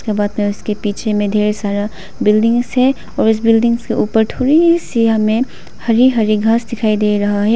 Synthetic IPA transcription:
kebaːd̪mẽʊskepiːt͡ʃʰemẽd̪ʱeːɾesaːɾa | bɪlɖɪ̃ŋɡzɦɛ | ɔːɾʊs̬bɪlɖɪ̃ŋɡskeuːpəɾt̪ʰoːɾiɦisiamẽ | hɐɾiɦɐɾiɡʱaːsd̪ɪkʰaːid̪eɾɐɦaɦɛ

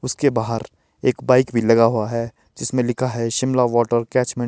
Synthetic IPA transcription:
ʊskebaːɦəɾ | eːkbaːɪkbʱilɐɡaɦuaɦɛ | d͡ʒɪsmẽlɪkʰaɦɛʃɪmlaʋɔːʈəɾkɛːt͡ʃmɛ̃

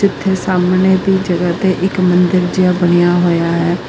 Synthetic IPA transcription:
ɪt̪ʰːeːsaːmneːd̪iːd͡ʒəɡəːt̪eʔɪkmənd̪ɪɾd͡ʒɪjaːbəɽ̃ijaːɦoːjaːɦɛː

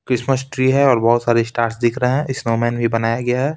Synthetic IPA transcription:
kɾɪsməsʈɾiɦɛɔːɾbɐɦʊt̪saːɾesʈaːɾʈsd̪ɪkʰɾəɦɛ̃ʔɪsnoːmɛ̃ːnbʱibɐnaːjaɡɐjaɦɛː

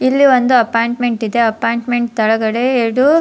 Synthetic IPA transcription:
ilːiʋond̪uɐpaːjɳʈme̞ɳʈid̪eɐpaːjɳʈme̞ɳʈ̚t̪ɐɭɐɡɐɽe̞eɾɽu

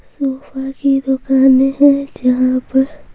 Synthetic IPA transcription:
suːfakid̪ʊkaːneɦɛ̃d͡ʒɐɦãpɐɾ

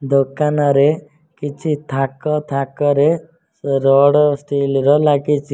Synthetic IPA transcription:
d̪okanɔɾe | kit͡ʃʰit̪ʰakɔt̪ʰakɔɾe | ɾɔɽɔsʈilɾɔlaɡit͡ʃʰi

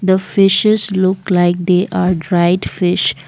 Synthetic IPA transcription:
d̪əfɪʃɪzlʊklaɪk̚d̪eːʔaːɾɖɾaɪɖfɪʃ

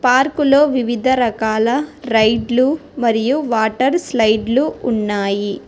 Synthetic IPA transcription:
paːɾkulo̞ːʋiʋid̪ʱɐɾɐkaːlɐɾɐjɖlumɐɾijuʋaːʈɐɾslɐjɖluːnːaːji

